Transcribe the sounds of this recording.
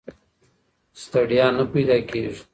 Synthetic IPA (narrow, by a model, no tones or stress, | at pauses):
st̪aɖijɑnapajd̪ɑkeʒi̥